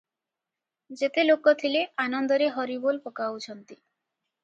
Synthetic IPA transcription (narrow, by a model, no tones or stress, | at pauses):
d͡ʒet̪elokɔt̪ʰileʔanɔnd̪ɔɾeɦɔɾibolpɔkaut͡ʃʰɔnt̪i